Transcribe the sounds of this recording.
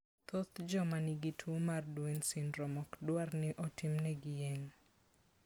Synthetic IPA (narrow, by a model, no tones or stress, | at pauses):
t̪ot̪d͡ʒɔmanɪɡɪtʰwomardwensɪnɾɔmɔkdwarnɪʔɔtʰɪmnɛɡɪjeŋ